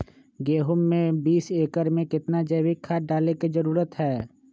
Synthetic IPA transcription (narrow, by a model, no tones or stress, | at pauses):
ɡeːɦʊmːẽbiːseːkəɾmẽkɪt̪nad͡ʒeːwɪkʰːaɖaːlekid͡ʒɐɾuːɾət̪ɦɛː